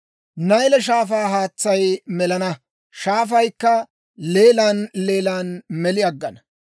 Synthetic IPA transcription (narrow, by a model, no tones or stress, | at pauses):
nɐjlɛʃ̬aːfaːɦaːt͡sːɐjmɛlɐnɐ | ʃaːfɐjkːɐ | le̞ːlaːnle̞ːlaːnmɛlɪɐɡːɐnɐ